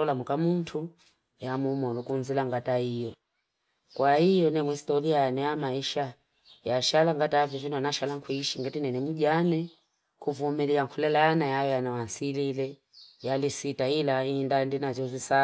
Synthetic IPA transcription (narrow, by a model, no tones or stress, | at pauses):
ɔlamukamuntʰu | jamumɔlukunzilaŋɡataijɔ | kwahijɔnɛmuhistɔliajanɛjamaiʃa | jaʃalaŋɡatavjɔvinɔnaʃalaŋkʰwuiʃiŋɡɛtinɛnɛmuɟanɛ | kuvumiliaŋkʰulɛlaanajajɔjanawansililɛ | jalisitailaindandinazɔzisa